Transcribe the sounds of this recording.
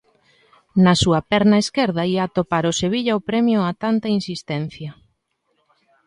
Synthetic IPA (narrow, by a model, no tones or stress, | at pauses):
nɐsuɐpɛɾnɐeskeɾðɐiat̪opaɾoseβ̞iʎɐopɾɛmjʊat̪ant̪ɐinsist̪ɛn̟θjɐ